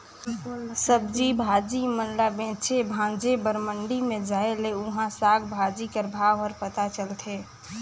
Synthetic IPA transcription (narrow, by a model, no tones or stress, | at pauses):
səb̚d͡ʒibʱad͡ʒimənlabẽt͡ʃʰebʱãnd͡ʒebəɾməɳɖimẽd͡ʒaeleʊɦãsaɡbʱad͡ʒikəɾbʱaʋəɾpət̪at͡ʃəlt̪ʰe